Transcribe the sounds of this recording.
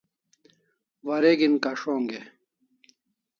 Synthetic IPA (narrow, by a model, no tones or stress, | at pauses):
wɐɾeɡinkaʂoːŋɡe